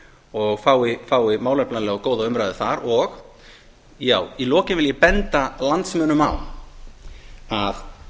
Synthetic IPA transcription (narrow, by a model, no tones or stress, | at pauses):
ɔɣfaːwɪfaːwɪmawlɛplanlɛːɣɔkoːwðaʏmɾajðɪθaɾɔɣ | jaːwilɔːcɪnvɪljɛpɛnt̪alant̪smœːnʏma̰w | að